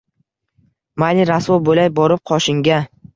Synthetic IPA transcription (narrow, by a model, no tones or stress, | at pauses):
maliɾaswobolajbɒɾɪp̚qʰɒʃɪŋɡʲa